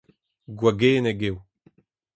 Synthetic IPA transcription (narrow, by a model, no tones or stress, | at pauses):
ɡwaɡeːneɡew